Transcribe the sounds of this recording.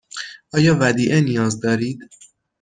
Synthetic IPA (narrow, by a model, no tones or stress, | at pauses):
ʔɒːjɒːvæd̪iːʔenijɒːzd̪ɒːɾiːd̪̥